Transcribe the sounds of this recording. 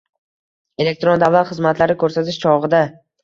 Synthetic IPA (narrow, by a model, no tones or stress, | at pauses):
e̞le̞k̚t̪ɾo̞nd̪avːalˠχɨzmat̪ʰlaɾɪkʰɵɾsat̪ʰɪʃt͡ʃʰɒʁɨd̪a